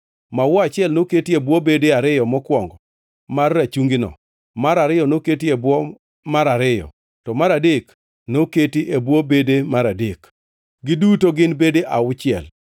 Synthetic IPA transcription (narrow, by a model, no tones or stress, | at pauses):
mawɔat͡ʃɪɛlnoketiebwobedeaɾɪjɔmɔkwɔŋɡɔ | marːat͡ʃuŋɡɪnɔ̰ | maɾaɾɪjɔnoketiebwɔ | maɾaɾɪjɔ̰ | tɔmaɾadek | noketiʔebwobedemaɾadek | ɡɪdutoɡɪnbedeʔaʊt͡ʃɪɛ̰l